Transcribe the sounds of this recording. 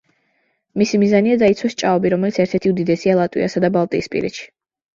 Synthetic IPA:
misimizaniad̪ait̪sʰwɛst͡ʃʼaɔbiɾɔmɛlit̪sʰɛɾt̪ʰɛɾt̪ʰiud̪id̪ɛsialˠat̪ʼwḭa̰sad̪abalˠt̪ʼḭːspʼḭɾɛ̰ʃi̥

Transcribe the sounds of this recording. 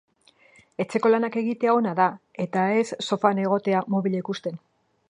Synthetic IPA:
e̞t͡se̞ko̞lanake̞ɣit̪e̞ao̞naðae̞t̪ae̞sːo̞fane̞ɣ̞o̞t̪e̞amoβileikust̪e̞n

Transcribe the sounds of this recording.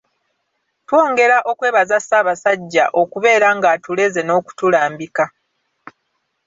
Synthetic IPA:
two̞ːŋɡe̞ɾaʔo̞kwe̞ːβazasaːβasaɟːaʔo̞kuβe̞ːɾaŋɡatule̞ze̞no̞ːku̥tulaːmbika

